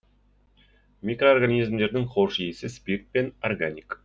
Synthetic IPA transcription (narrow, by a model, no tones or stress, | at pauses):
mʲikroːrɡanʲizmd̪e̞ɾd̪ɪŋχoʂijesɪspʲirt̪̚penorɡanʲik